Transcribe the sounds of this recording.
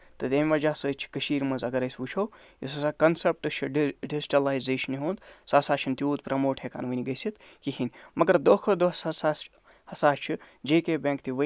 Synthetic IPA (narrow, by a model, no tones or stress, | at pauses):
t̪ɐt̪ʲemʲʋɐd͡ʒaːsəːt͡ʃʰi̥kəʃiːɾmɐzɐɡɐɾɐjsʋut͡ʃʰoː | isɐsaːkɐnsɐp̚ʈɨt͡ʃʰiɖɖiziʈɐlaːjzeːʃniɦoːnd̪saːsaːt͡ʃʰint̪iuːt̪pɾʔɐmoːʈʰeka̰ːnʋənʲiɡɐjsit̪ | kiɦinʲmɐɡɐɾd̪oːkʰod̪osɐsas | hɐsaːst͡ʃʰi | d͡ʒeːkebʲẽːŋkt̪ʰiʋə